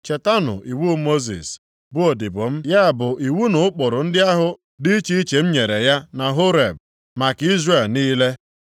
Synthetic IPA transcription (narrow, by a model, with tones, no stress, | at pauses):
t͡ʃe˨ta˦nʊ̰˨ʔi˨wu˦mo˦zḭ˨s | bʊ˦o˨dɪ˨bʊ˨m̩˦ja˦a˨bʊ˨ʔi˨wu˦nʊ˦ʊ˦k͡pʊ˨ɾʊ˨n̩˦dɪ˦a˦ɦʊ˨ | dɪ˦t͡ʃi˦i˦t͡ʃe˨m̩˦ɲe˨ɾe˨ja˦na˨ɦo˦ɾe˨b̚ | ma˨ki˦zɾe˦˨lniː˦le˦